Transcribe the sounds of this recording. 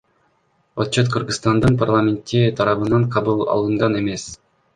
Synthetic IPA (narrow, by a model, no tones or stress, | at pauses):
ot̪t͡ʃːot̪̚qʰəɾɡɨst̪ɑnd̪ɯnpʰarlˠamʲent̪ːit̪ʰɑɾɑβɯnɑɴqʰɑβulˠɑ̰lˠɯɴʁɑne̞me̞s